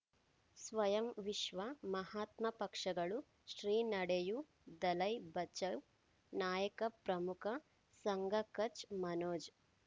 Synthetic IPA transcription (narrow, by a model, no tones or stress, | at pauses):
sʋɐjɐmʋiʃʋɐmɐhaːt̪mɐpɐkʂɐɡɐɭu | ʃɾiːnɐɽeju | d̪ɐlɐjbɐt͡ʃɐw | naːjɐkɐpɾɐmukʰɐ | sɐŋɡʱɐkɐt͡ʃmɐnoːd͡ʒ